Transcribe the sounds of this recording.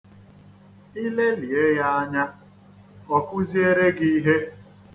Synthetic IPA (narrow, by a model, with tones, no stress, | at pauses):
i˦le˦li˨e˦ja˦a˦ɲa˦ | ɔ˨kʊ˦zi˦e˦ɾe˦ɡi˦i˦ɦe˦